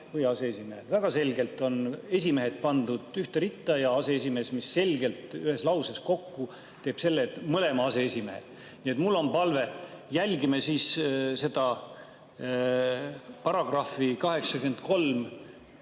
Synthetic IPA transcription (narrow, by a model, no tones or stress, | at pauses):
vɯjɑseesʲimehelvæɡ̥ɑse̞lʲɡe̞lt̪ːˑo̞ne̞sʲime̞ɦe̞t̪̚pɑnd̪ud̪̥yht̪eɾit̪ːˑɑjɑɑse̞es̬ʲime̞ːsmisːe̞lʲɡe̞lt̪yhe̞slɑwsesko̞kːu | t̪e̞ːb̥se̞lːet̪ːmɤle̞mɑɑse̞esʲime̞hḛ̥ | nie̞t̪mulːo̞mpɑlve̞jælʲɡimesiːsse̞d̪ɑ | pɑɾɑɡ̥rɑfikɑɦe̞ksɑkyent̪̚ko̞lm